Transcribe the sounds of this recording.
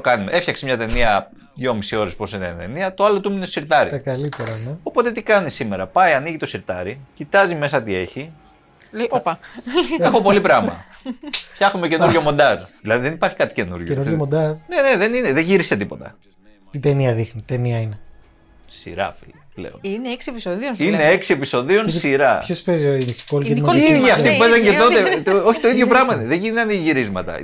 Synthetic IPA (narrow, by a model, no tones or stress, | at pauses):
okɐnumeʔefçɐksemɲɐt̪e̞niɐ | ðjo̞misio̞ɾesposinent̪e̞niɐt̪o̞ɐlo̞t̪umineso̥siɾt̪ɐɾḭt̪ɐkɐlit̪eɾɐneo̞po̞t̪e̞t̪ikɐnisime̞ɾɐpɐiɐniʝit̪o̞siɾt̪ɐɾicit̪ɐzime̞sɐt̪ie̞çi | oɐexo̞po̞lipɾɐmɐ̰ | fçɐxumece̞nuɾʝo̞mo̞nd̪ɐsðilɐðiðenipɐɾçi̥kɐt̪i̥ce̞nṵɾʝoenuɾʝomond̪ɐsne̞neðenineðeʝiɾise̞t̪ipo̞t̪ɐ̰ | t̪it̪eniɐðixnit̪eniɐine | sḭɾɐ̰fḭlplḛo̞̰nineksiepisoðioine̞eksie̞piso̞ðio̞nssiɾɐçospezioinkolkemiiiðʝiɐftt̪ipupezɐɲcet̪o̞e̞oçi̥t̪o̞iðʝo̞pɾɐɣmɐineðeʝint̪ɐneʝiɾizmɐt̪ɐ̰